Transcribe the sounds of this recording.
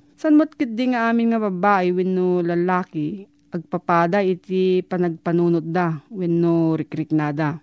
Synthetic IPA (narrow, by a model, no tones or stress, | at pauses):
sɐnmot̪̚kɪt̪̚d̪ɪŋɐʔaːmɪnŋɐbɐbaːʔɪwɛnːʊlɐlaːkɪ | ɐɡ̚pɐpaːd̪aʔɪt̪ɪpɐnɐɡ̚pɐnuːnʊt̪̚d̪awɛnːʊɾɪkɾɪknaːd̪a